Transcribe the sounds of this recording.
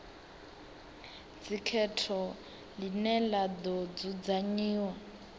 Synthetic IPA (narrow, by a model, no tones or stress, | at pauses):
d͡zikʰɛtʰɔ | linɛlad̪ɔd͡zud͡zaɲiːwa